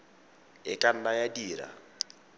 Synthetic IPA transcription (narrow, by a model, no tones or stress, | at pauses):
ɪkʼan̩najadiːɾa̰